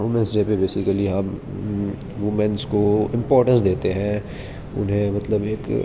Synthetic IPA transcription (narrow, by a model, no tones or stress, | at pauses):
ɦʊmɛ̃nsd͡ʒeːpebeːsɪkəliaːm | ʋumɛ̃nskoɪ̃mpɔːɾʈə̃nsd̪eːt̪eɦɛ̃ | ʊ̰nɦẽmɐt̪ləbeːk